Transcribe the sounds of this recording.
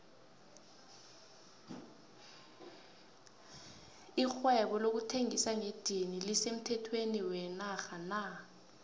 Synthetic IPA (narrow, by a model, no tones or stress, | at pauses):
ixwɛɓɔlok̬utʰeŋisaŋed̥ʱinilisem̩tʰɛtʰweniwɛnaxana